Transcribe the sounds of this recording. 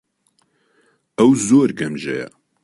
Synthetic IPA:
ɛwzoːɾɡɛmʒɛ̰jɛ̰

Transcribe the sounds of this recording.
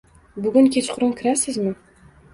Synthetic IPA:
bʊɡʲʊŋkʲʰet͡ʃqʰʊɾʊmkʲʰɪɾasɪzmɪ

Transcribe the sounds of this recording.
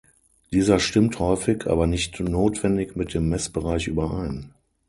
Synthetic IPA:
d̥iːzɐʃtɪmthɔʏfɪkʔa̰ːbɐnɪçtnoːtv̥ɛndɪkmɪt̚d̥eːmːɛsb̥əʁaɪçʔyːbɐʔaɪn

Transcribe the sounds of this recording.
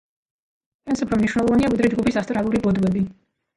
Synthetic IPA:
ɛnsupʰɾɔmniʃwnɛlˠɔvaniavid̪ɾɛd͡ʒɡupʰisast̪ʼɾalˠuɾibɔd̪wɛbi

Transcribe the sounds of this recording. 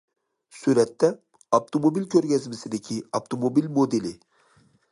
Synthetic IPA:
suɾɛt̪ːɛ | ɑft̪ʰomobilkʲʰøɾɡʲɛzmɪsɪd̪ɪkʲʰiɑft̪ʰomobilmod̪elɪ

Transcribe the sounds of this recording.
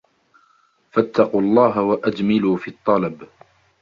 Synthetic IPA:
fat̪ːɑquːɑlˤːɑːɦawaʔad͡ʒ̪mɪluːfiːt̪ˤːɑlɑb

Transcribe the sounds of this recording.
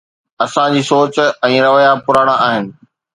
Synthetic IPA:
ɐsãd͡ʑiːsoːt͡ɕɛ̃ːɾɐʋəjapʊɾaːɽ̃aːɦɪnɪ̆

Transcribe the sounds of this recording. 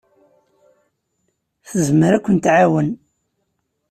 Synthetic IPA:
θəzməɾækʷːənt̪ʕawən

